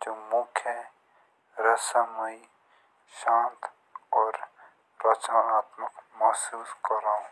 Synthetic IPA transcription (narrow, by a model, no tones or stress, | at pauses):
d͡ʒoːmʊkʰje | ɾɐsəmɐi | ʃãːnt̪ | ɔːɾ | ɾɐt͡ʃnaaːt̪məqmɐɦsuːskɐɾaũ